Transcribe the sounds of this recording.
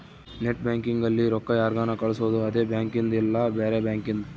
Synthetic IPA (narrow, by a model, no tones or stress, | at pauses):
neʈ̚bjaːŋkiŋɡɐlːiɾɔkːɐjaːɾɡaːnɐkɐɭusuʋɐd̪uɐd̪eːbjaːŋkind̪ilːɐbeːɾebjaːŋkind̪u